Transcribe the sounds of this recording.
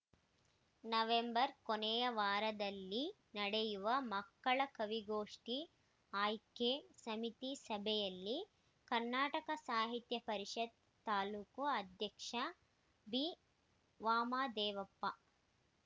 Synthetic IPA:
nɐʋembɐɾkonɛjɐʋaːɾɐd̪ɐlːi | nɐɽejuʋɐmɐkːɐɭɐkɐʋiɡoːʂʈi | aːjkːesɐmit̪isɐbʱɛjɐlːi | kɐɾnaːʈɐkɐsaːɦit̪jɐpɐɾiʂɐd̪̚ | t̪aːluːkuɐd̪ʱjɐkʂɐ | bi | ʋaːmaːd̪ɛːʋɐpːɐ

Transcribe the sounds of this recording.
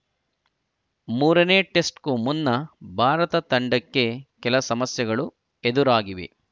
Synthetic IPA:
muːɾɐneːʈe̞sʈkumunːɐbʱaːɾɐt̪ɐt̪ɐɳɖɐkːe̞kɛlɐsɐmɐsjɐɡɐɭu | ed̪uɾaːɡiʋḭ

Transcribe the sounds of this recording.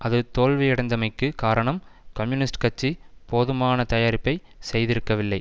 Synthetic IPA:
ʔɐðɯt̪oːɻʋɐjɪɽɐɪnd̪ɐmɐɪkːɯkaːɾɐɳɐmkɐmjʊnɪsʈkɐt͡ʃːipoːðɯmaːnɐt̪ɐjaːɾɪpːɐɪ | sɛjðɪɾɯkːɐʋɪlːɐɪ

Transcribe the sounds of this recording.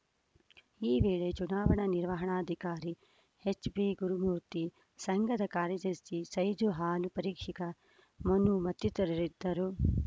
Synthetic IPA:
iːʋeːɭet͡ʃunaːʋɐɳɐniɾʋɐɦɐɳaːd̪ʱikaːɾi | het͡ʃbiɡuɾumuːɾt̪i | sɐŋɡɐd̪ɐkaːɾjɐd͡ʒ̪ɐɾisisɐjd͡ʒuɦaːlupɐɾiːkʂikɐ | mɐnumɐt̪jut̪ɐɾɐɾid̪ːɐɾu

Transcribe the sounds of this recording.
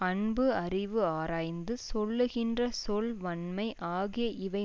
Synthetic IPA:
ɐɳbɯɐrɪʋɯaːɾaːjnd̪ɯsɔlːɯɣɪndrɐsɔlʋɐɳmɐɪʔaːɣɪjɐʔɪʋɐɪ

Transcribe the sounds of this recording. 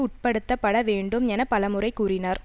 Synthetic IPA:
ʊʈ̚pɐɽɯt̪ːɐpːɐɽɐʋeːɳɖɯmɛnɐpɐɭɐmɯrɐɪkːuːrɪnɐɾ

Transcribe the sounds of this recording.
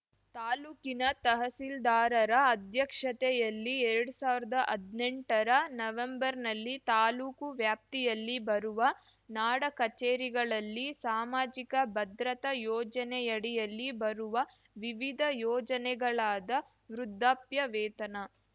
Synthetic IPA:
t̪aːluːkinɐt̪ɐɦɐsild̪aːɾɐɾɐːd̪ʱjɐkʂɐt̪ɛjɐlːiɛɾɐɽusaːʋɾɐd̪ɐʔɐd̪neɳʈɐɾɐnɐʋembɐɾnɐlːit̪aːluːkuʋjaːp̚t̪ijɐlːibɐɾuʋɐ | naːɽɐkɐt͡ʃeːɾiɡɐɭɐlːisaːmaːd͡ʒikɐbɐd̪ɾɐt̪ɐjɔːd͡ʒɐnɛjɐɽijɐlːibɐɾuʋɐ | ʋiʋid̪ʱɐjɔːd͡ʒɐnɛɡɐɭaːd̪ɐ | ʋɾud̪ʱːaːpjɐʋɛːt̪ɐnɐ

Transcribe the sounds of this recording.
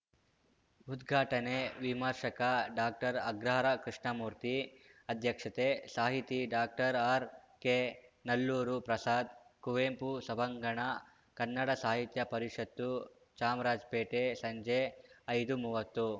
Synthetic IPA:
ud̪ɡʱaːʈɐneʋimɐɾʃɐkɐɖaːk̚ʈɐɾɐɡɾɐɦɐɾɐkɾiʂɳɐmuːɾt̪iɐd̪ʱjɐkʂɐt̪esaːɦit̪iɖaːk̚ʈɐɾaːɾkeːnɐlːuːɾupɾɐsaːd̪kuʋeːmpusɐbɐŋɡɐɳɐ | kɐnːɐɽɐsaːɦit̪jɐpɐɾiʂɐt̪ːu | t͡ʃaːmɾaːd͡ʒpeːʈesɐɲd͡ʒeɐjd̪umuʋɐt̪ːu

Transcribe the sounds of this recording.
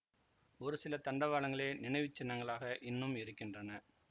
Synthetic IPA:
ɔɾɯsɪlɐt̪ɐɳɖɐʋaːɭɐŋɡɐɭeːnɪnɐɪʋɪt͡ʃːɐnːɐŋɡɐɭaːɣɐʔɪnːɯmɪɾɯkːɪndrɐnɐ

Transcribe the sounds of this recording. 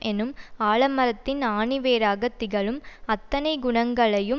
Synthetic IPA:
ʔɛnɯmaːɭɐmɐɾɐt̪ːɪnaːɳɪʋeːɾaːɡɐt̪ːɪɣɐɭɯmɐt̪ːɐnɐɪɡʊɳɐŋɡɐɭɐjɯm

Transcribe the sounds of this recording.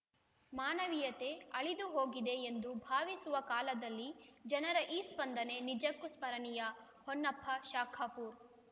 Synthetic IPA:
maːnɐʋijɐt̪e̞ɐɭid̪uɦo̞ːɡid̪e̞ːnd̪ubʱaːʋisuʋɐkaːlɐd̪ɐlːid͡ʒɐnɐɾɐʔiːspɐnd̪ʱɐne̞nid͡ʒɐkːuspɐɾɐnijɐ | honːɐpʰːɐʃaːkʰapuːɾ

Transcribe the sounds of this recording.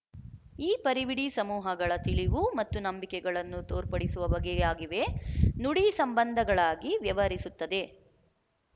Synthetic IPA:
iːpɐɾiʋiɽisɐmuːɦɐɡɐɭɐt̪iɭiʋumɐt̪ːunɐmbikɛɡɐɭɐnːut̪oːɾpɐɽisuʋɐʋɐɡɛaːɡiʋe̞nuɽisɐmbɐnd̪ʱɐɡɐɭaːɡiʋjɐʋɐɾisut̪ːɐd̪e̞

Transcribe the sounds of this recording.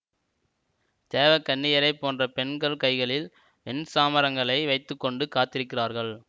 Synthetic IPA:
t̪eːʋɐkɐɳːɪjɐɾɐɪpːoːndrɐpɛɳɡɐɭkɐɪɣɐɭɪl | pɛnsaːmɐɾɐŋɡɐɭɐɪʋɐɪt̪ːɯkːɔɳɖɯkaːt̪ːɪɾɯkːɪraːɾɣɐɭ

